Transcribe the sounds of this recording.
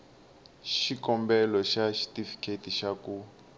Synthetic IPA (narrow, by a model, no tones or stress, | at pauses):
ʃikɔmbɛlɔʃaʃi̥tifi̥kʰetiʃaku